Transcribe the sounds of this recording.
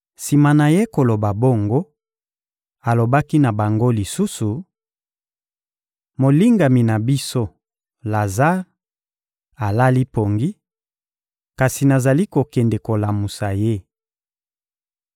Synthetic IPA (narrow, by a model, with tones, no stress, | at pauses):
si˨ma˨na˨je˦ko˨lo˨ba˨bo˦˨ŋɡo˦ | a˨lo˨ba˦ki˦na˨ba˨ŋɡo˦li˨su˦su˨ | mo˨li˦ŋɡa˨mi˨na˨bi˦so˦ | la˨za˦ʁ | a˨la˦li˦po˨ŋɡi˦ | ka˨si˨na˨za˨li˦ko˨kɛ˨nde˨ko˨la˨mu˨sa˨je˦